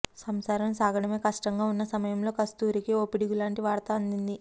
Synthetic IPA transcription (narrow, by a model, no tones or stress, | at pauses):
sɐmsaːɾɐmsaːɡɐɽɐme̞ːkɐʂʈɐŋɡaːunːɐsɐmɐjɐmlo̞ːkɐst̪uːɾikioːpiɽiɡulaːɳʈiʋaːɾt̪ɐɐnd̪ind̪i